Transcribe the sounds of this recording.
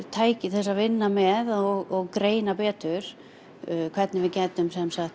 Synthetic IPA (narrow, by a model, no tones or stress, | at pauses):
t̪ʰaːjcɪθɛsːavɪnːamɛðɔɣɔɣkɾeːjnapɛːt̪ʏɾ̥ | kʰv̥ɛɾt̪nɪvɪðcɛːt̪ʏmsɛmsaxt̪